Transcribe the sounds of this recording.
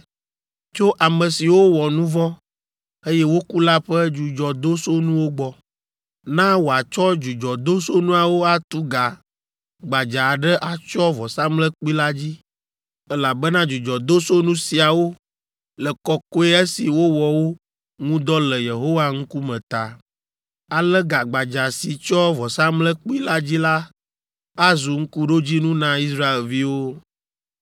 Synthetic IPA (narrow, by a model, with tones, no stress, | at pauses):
t͡ʃo˦ʔa˨mɛ̃˨si˨wo˦wɔ˨nũ˦vɔ˦ | e˦jɛ˦wo˦ku˦la˦ɸɛ˦d͡ʒu˨d͡ʒɔ˨d̪o˦so˦nũ˦wo˦ɡ͡bɔ˦ | nã˦wo˨a˨t͡ʃɔ˦d͡ʒu˨d͡ʒɔ˨d̪o˦so˦nũ˦a˨wo˦a˨t̪u˦ɡa˨ | ɡ͡ba˨d͡ʒa˨ɖɛ˦ʔa˨t͡ʃɔ˦vɔ˨sa˦mlɛ˦k͡pi˦la˦d͡ʑi˦ | ɛ˦la˨bɛ˦nã˦d͡ʒu˨d͡ʒɔ˨d̪o˦so˦nũ˦si˨a˨wo˦ | lɛ˨kɔ˦kɔ˦ɛ˦e˦si˨wo˦wɔ˨wo˦ | ŋũ˦d̪ɔ˦lɛ˨je˨ɦo˦wa˦ŋ̩˦ku˦mɛ̃˨t̪a˨ | a˨lɛ˦ɡa˨ɡ͡ba˨d͡ʒa˨si˨t͡ʃɔ˦vɔ˨sa˦mlɛ˦k͡pi˦la˦d͡ʑi˦la˦ | a˦zu˨ŋ̩˦ku˦ɖo˦d͡ʑi˦nũ˦nã˦i˦sɾa˦e˨lvi˦wo˦